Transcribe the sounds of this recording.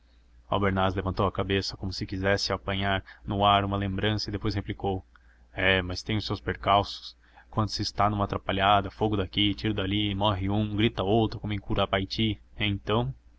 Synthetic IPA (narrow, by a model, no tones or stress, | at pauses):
a̰wbeɾnazlevɐ̃nt̪owɐkabesɐkõmʊsɪkizɛsɪapɐ̃ɲaɾnʊaɾũmɐlẽmbɾɐ̃sɐɪd̪epojszheplikow | ɛmɐst̪ẽj̃ʊsːewspeɾkawsʊ̥s | kwɐ̃nd̪ʊsɪːst̪anũmaːt̪ɾapaʎad̪ɐfoɡʊd̪akit͡ʃiɾɐd̪alimɔɦɪũɡɾit̪ɐowt̪ɾʊkõmẽkuɾɐapajt͡ʃiẽt̪ɐ̃w̃